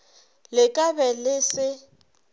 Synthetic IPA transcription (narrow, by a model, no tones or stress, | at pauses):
lɪkʼabɛlɪsɪ